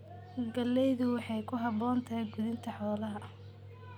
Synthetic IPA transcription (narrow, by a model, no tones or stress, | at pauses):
ɡɐlːɛjðʊwɑħɑjkʰʊɦɑbɔːnt̪ʰɐɡʊðɪnt̪ʰɐħɔːlɐɦɐ